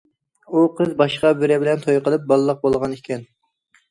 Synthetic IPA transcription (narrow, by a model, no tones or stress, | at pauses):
uqʰəzbɑʃqɑbɪɾɪbɪlɛnt̪ʰojqəlˠɨp̚bɑlˠlˠːəq̚bolˠʁɑnikʲʰɛn